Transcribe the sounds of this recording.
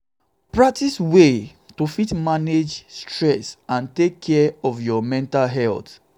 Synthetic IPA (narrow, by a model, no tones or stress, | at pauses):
pɹak̚tiswe | tofitmaned͡ʒstɹɛsãntekʰːɛɔvjɔmɛ̃ntalɦɛlt